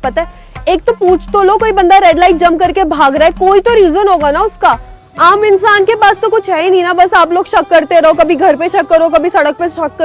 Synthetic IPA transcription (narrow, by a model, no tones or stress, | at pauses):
pɐt̪aɛ | eːk̚t̪opuːt͡ʃʰt̪õlokoːibɐ̃nd̪aɾɛːɖlaːɪʈ̚d͡ʒɐ̃m̚kɐɾkebʱaːɡɾɐɛkoːit̪oɾiːzənɦoːɡanaʊska | aːmɪnsaːnkepaːst̪okʊt͡ʃʰɦɛinĩnabɐsaːploːɡʃɐkːɐɾt̪eɾɐɦokɐbʱiɡʱɐɾpeʃɐkːɐɾokɐbʱisɐɽək̚peʃɐkːɐ